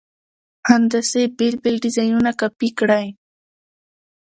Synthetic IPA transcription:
hand̪asebɪlbɪlɖɪzajnʊnakapɪkɽaj

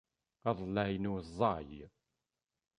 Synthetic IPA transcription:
ɑðˤlːæjnuzˤːɑj

